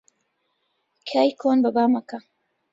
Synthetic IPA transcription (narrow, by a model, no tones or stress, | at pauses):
kʰaːjkʰoːnbɐbaːmɐkɐ